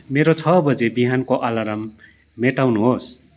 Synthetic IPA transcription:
meɾot͡sʰʌbʌd͡zebiɦankoʔalaɾamː | eʈawnuɦos

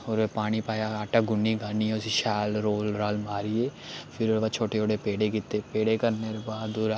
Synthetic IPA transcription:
oːɾeːpaːɽ̃ipaːjaːaːʈaːɡʊnːiːɡaːniɛsiʃɛːlɾoːlɾaːlmaːɾieːpʰɪɾbaːt͡ʃʰoːʈeoːɽeːpeːɽekɪt̪ːeːpeːɽeːkəɾneɾbaːd̪oːɾa

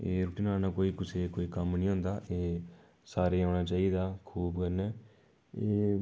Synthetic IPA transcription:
eːɾʊʈiːnaːnaːkoːiːkʊseːkoːiːkəmnĩːɦõːnd̪aːʔeː | saːɾeːãːɽaːt͡ʃaːiːd̪aːkʰuːbkəɾnɛː | eː

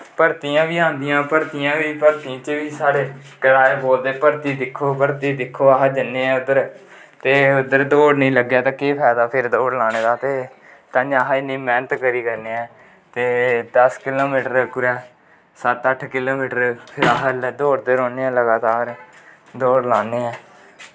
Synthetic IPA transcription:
pəɾt̪ijãːʋiːãːnd̪ijãːpəɾt̪ijãːʋiːpəɾt̪ĩːt͡ʃəʋiːsaːɽeː | kəɽaːeːboːld̪eːpəɾt̪iːd̪ɪkʰːoːpəɾt̪iːd̪ɪkʰːoːaɦad͡ʒɪnːeːɛ̃ːʊd̪əɾ | t̪eːʊd̪əɾd̪oːɽnĩːləɡjaːt̪ãːkiːpʰɛːd̪aːpʰɪɾd̪oːɽlaːñeːd̪aːt̪eː | t̪ãːd͡ʒaːɦɪnĩːmɛ̃ːnət̪kəɾiːkəɾneːɛ̃ː | t̪eːd̪əskɪloːmiːʈəɾkʊɾɛː | sət̪əʈʰkɪloːmiːʈəɾpʰɪɾəɦəld̪oːɽd̪eːɾoːneːɛ̃ːləɡaːt̪aːɾ | d̪oːɽlaːneːɛ̃ː

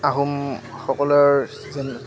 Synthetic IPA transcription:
aɦum | xɔkɔlɔɹ | zɛn

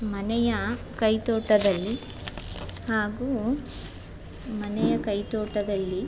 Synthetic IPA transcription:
mɐnɛjɐ | kɐjt̪oːʈɐd̪ɐlːi | haːɡuː | mɐnɛjɐkɐjt̪oːʈɐd̪ɐlːi

